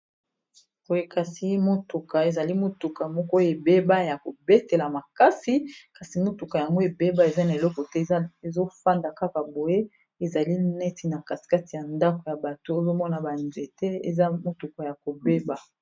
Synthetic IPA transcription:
b̥o˨je˦ka˨si˨˦mo˦tu˨ka˨e˨za˨li˦mo˨tu˨ka˨mɔ˦kɔ˦e˨be˦ba˦ja˨ko˨be˦te˨la˨ma˨ka˦si˦ka˨si˨mo˦tu˨ka˨ja˨ŋɡo˦e˨be˦ba˦e˨za˦na˨e˨lɔ˦kɔ˨tɛ˦e˨zo˦fa˦nda˨ka˦ka˨bo˨je˦ | e˨za˨li˦nɛ˦ti˨na˨ka˨si̥˨ka˦ti˨ja˨nda˦ko˨ja˨ba˨to˦e˦zo˦mɔ˦na˨ba˨nze˨tɛ˦ḛ˨za˦mo˦tu˨ka˨ja˨ko˨be˦ba˨

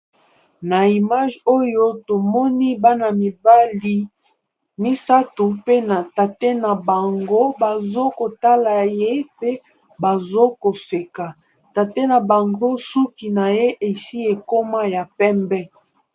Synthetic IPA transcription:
na˨i˨ma˦ʒo˦jo˦to˨mɔ˦ni˦ba˦na˨mi˨ba˦li˦ | mi˦sa˦tu˨pe˦na˨ta˨te˦na˨ba˨ŋɡo˦ba˨zo˦ko˨ta˦la˨je˦pe˦ | ba˨zo˦ko˨se˨ka˨ | ta˨te˦na˨ba˨ŋɡo˦su˦ki˨na˨je˦ʔe˨si˦e˨ko˦ma˦ja˨pɛ˦mbɛ˦

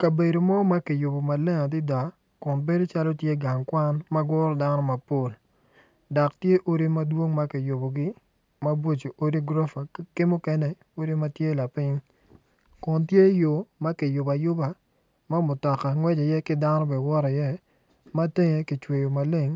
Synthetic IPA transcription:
ka˨be˨do˨mɔ˦ma˦kɪ˨jʊ˨bo˨ma˨le˦ŋa˨dɪ˦da˨ | kʊ˨nbe˦do˦t͡ʃa˦lɔ˦tje˦ɡa˨ŋkwa˦nma˦ɡɔ˦ɾɔ˦da˦nɔ˦ma˨po˨l | dɔ˨ktje˦ʔo˦ɾi˦ma˦dwo˦ŋma˦kɪ˨jʊ˨bo˨ɡɪ˦ | ma˦bo˦t͡ʃo˨ʔo˦ɾi˦ɡɾo˦fa˨kɪ˦mʊ˦kɛ˦nɛ˦ | o˦ɾi˦ma˦tje˦la˨pɪ˦ɲ | kʊ˨ntje˦jo˨ma˦kɪ˨jʊ˨ba˨jʊ˦ba˨ | ma˦mʊ˨tɔ˨ka˨ŋwɛ˦d͡ʒe˨jɛ˦kɪ˦da˦nɔ˦bɛ˨wɔ˦ɾe˨jɛ˦ | ma˦te˦ŋe˨kɪ˨t͡ʃwe˨jo˨ma˨le˦ŋ

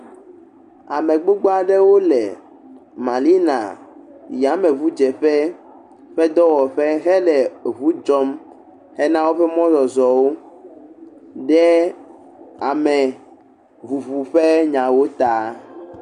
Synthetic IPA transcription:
a˨mɛ̃˨ɡ͡bo˦ɡ͡bo˦a˦ɖɛ˦wo˦lɛ˨ | mã˨li˦nã̰˨ja˨˦mɛ̃˨βu˦d͡ʒɛ˨ɸɛ˦ | ɸɛ˦d̪ɔ˦wɔ˨ɸɛ˦ɦɛ˦lɛ˨βu˦d͡ʒɔ˦m | hɛ˦nã˦wo˦ɸɛ˦mɔ̃˦zɔ˨zɔ˨wo˦ | ɖɛ˦ | a˨mɛ˨ | vu˨βu˨ɸɛ˦ɲã˨wo˦t̪a˦˨

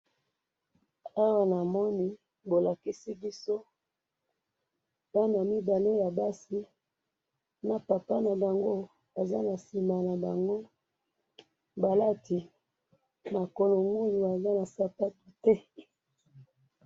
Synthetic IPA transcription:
a˦wa˨na˨mɔ˦ni˦ | bo˨la˨ki˦si˦bi˦so˦ | b̥a˦na˨mi˦ba˨le˦ja˨ba˦si˦ | na˨pa˨pa˦na˨ba˨ŋɡo˦ | a˨za˦na˨si˨ma˨na˨ba˨ŋɡo˦ | ba˨la˦ti˨ | ma˨ko˨lo˨ŋu˦ju˨a˨za˦na˨sa˦pa˦tu̥˨tɛ˦

